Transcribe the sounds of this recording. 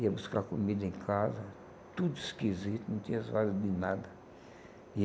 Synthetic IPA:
iɐbuskakumid̪ɐẽkʰazɐ | t̪ud̪uiskizit̪unɐ̃t̪ĩɲɐzadɐd̪ɪnad̪ɐ | i

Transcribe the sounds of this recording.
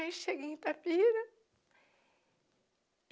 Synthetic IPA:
ẽt͡ʃʃeɡeẽt̪apiɾɐ

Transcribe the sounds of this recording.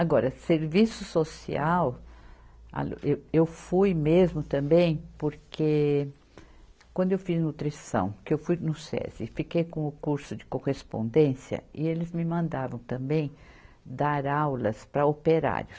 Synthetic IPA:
aɡɔɾɐseɾvisʊsosḭaw | a̰lewewfujmezmʊt̪ɐ̃mbẽj̃poɾkʰe | kwɐ̃nd̪ʊewfiznut̪ɾisɐ̰̃w̃kɪewfujnʊsɛ̰zɪ̰fikejkõʊkuɾsʊd͡ʒɪkohespõ̰nd̪ẽsjɐ̰ɪelɪzmɪmɐ̃nd̪avɐ̃w̃t̪ɐ̃mbẽj̃ | d̪aɾawlɐspɾɐopeɾa̰ɾjʊs

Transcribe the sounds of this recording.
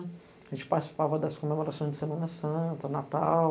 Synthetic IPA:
ʒẽnt͡ʃɪ̥paɾt͡ʃɪsi̥pavɐd̪ɐskomemoɾasõj̃zd͡ʒɪsemɐ̃nɐsɐ̃t̪ɐnat̪a

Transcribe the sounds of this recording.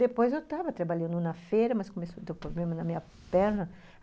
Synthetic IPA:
d̪epojzewt̪avɐt̪ɾabaʎɐ̃nd̪ʊ̃nɐfejɾɐmɐskõmesod̪ewpɾoblẽmɐnɐmĩɲɐ | pɛɾnɐ

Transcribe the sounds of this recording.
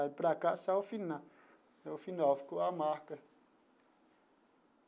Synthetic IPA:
apɾakaʔsaofina | aofinafkoamakə

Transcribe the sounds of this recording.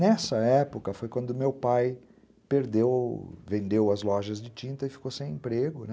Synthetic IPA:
nɛsɐɛpʊkɐfojkwɐ̃nd̪ʊmewpaj | peɾd̪ewvẽnd̪ewɐzlɔʒɐzd͡ʒɪt͡ʃĩnt̪ɐɪfi̥kosẽj̃ẽmpɾeɡʊnɛ

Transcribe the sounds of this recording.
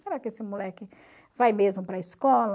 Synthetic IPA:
seɾakɪesɪmulɛkɪ | vajmezmʊpɾɐiskɔl

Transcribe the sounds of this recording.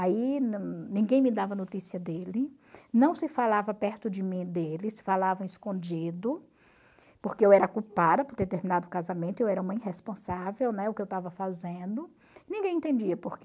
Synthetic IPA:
aiñnĩɡẽj̃mɪd̪avɐnot̪isiɐd̪elɪ | nɐ̃w̃sɪfalavɐpɛɾt̪ʊd͡ʒɪmĩd̪elɪsɪ̥falavɐ̃ɪskõd͡ʒid̪ʊ | poɾkeewɛɾɐkupad̪ɐpoɾd̪eɾt̪eɾmĩnad̪ʊkazamẽnt̪ʊewɛɾɐũmɐĩɦespõsavewnɛʊkɪewt̪avɐfazẽnd̪ʊ | nĩɡẽj̃ẽt̪ẽd͡ʒiɐpoɾk

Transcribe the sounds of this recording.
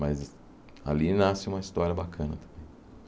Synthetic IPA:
mɐz | a̰linasɪũmɐist̪ɔɾjɐbakʰɐ̃nɐt̪ɐ̥̃mb̥ẽj̃

